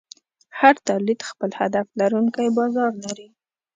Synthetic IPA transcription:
haɾt̪alit̪xpəlhad̪aflaɾuŋkajbɑzɑɾlaɾi

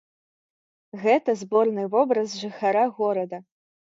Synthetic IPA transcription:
ɣɛt̪ɐzbɔrnɨvɔbɾɐzʐɨxaɾaɣɔɾɐd̪ɐ

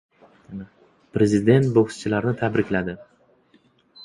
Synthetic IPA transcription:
pɾe̞zɪd̪e̞nt̪bohst͡ʃʰɪlaɾnɪt̪ʰabɾɪkʲlad̪ɪ

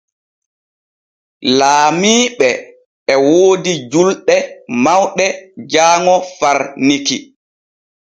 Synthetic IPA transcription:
laːmiːɓɛː | woːdid͡ʒulɗɛmawɗɛd͡ʒaːŋɔfaɾniki

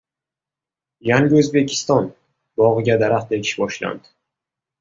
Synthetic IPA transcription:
jaŋɡʲɪɵzbe̞kʲʰɪ̥st̪ɒn | bɒʁɨɡʲad̪aɾaqt̪ʰaekʲʰɪ̥ʃbɒʃla̰nd̪ɪ̥

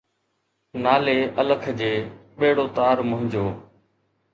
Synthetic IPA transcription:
naːleːʔələkʰd͡ʑeːɓeːɽoːt̪aːɾmʊɦɪ̃ɲd͡ʑoː

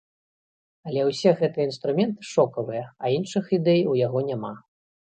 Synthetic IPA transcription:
ɐlʲɛwsʲɛɣɛt̪ɨjɐinst̪ɾumʲɛnt̪ɨ̥ʂɔkɐvɨjɐɐinʂɨxid̪ɛjwjaɣɔnʲama

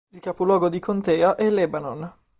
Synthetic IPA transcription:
ilkapolwɔːɡod̪ikʰont̪ɛːaʔɛlɛbanon

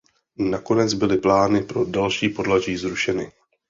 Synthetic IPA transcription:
nako̞nɛd͡zbɪlɪplaːnɪpɾo̞dalʃiːpo̞dlaʒiːzɾuʃɛnɪ

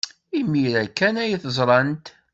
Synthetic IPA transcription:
imːiɾækːænæjiθəzˤɾˤɑnt̪

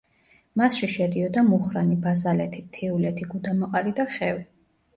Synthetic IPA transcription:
masʃiʃɛd̪iɔd̪amuχɾanibazalɛt̪ʰit̪ʰiulɛt̪ʰiɡud̪amɔqʼaɾid̪aχɛvi

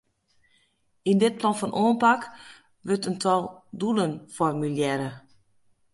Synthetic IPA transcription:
indɪt̚plɔnfɔnʔoːnpak | ʋøtəntʰɔlˠdulənfɔrmyljɛɾə

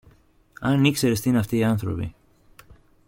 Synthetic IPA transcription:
ɐnikse̞ɾest̪inɐft̪iːɐnθɾo̞̰pḭ

